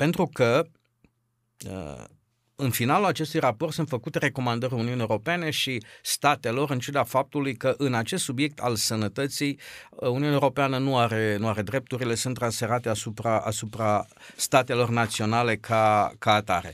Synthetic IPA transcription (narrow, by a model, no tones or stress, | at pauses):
pe̞nt̪ɾukə | ə̰ | ɨnfinalulat͡ʃe̞s̬t̪ujrapo̞rt̪sɨnt̪fəkut̪e̞ɾe̞ko̞mand̪əɾʲuniuunieoɾo̞pene̞ʃist̪at̪e̞lo̞ɾɨnt͡ʃud̪afap̚t̪ulujkəʔɨnat͡ʃe̞st̪subje̞k̚t̪alsənət̪ət̪sijuniunewɾo̞peanənuaɾe̞nuaɾe̞d̪ɾe̞p̚t̪uɾile̞sunt̪ːransfe̞ɾat̪e̞asupɾaʔa̰supɾa | st̪at̪e̞lo̞rnat̪sio̞nale̞kʰakaːt̪a̰ɾe̞̰